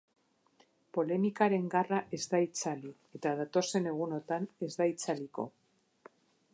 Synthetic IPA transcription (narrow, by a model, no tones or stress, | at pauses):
po̞le̞mikaɾe̞ŋɡaraʔe̞zd̪ait͡sali | e̞t̪aðat̪o̞se̞ne̞ɣ̞uno̞t̪ane̞zd̪ait͡saliko̞̰